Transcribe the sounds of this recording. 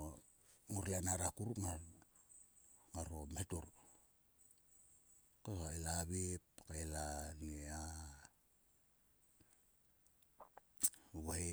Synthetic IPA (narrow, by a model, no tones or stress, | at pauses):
o | ŋoɾlanaɾakuɾupŋa | ŋaɾometuɾ | kasaelaβipkaelanea | βae